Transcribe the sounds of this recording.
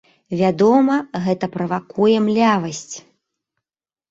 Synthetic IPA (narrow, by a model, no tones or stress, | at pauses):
vʲad̪ɔmɐɣɛt̪ɐpɾɐvakujɛmlʲavɐsʲt͡sʲ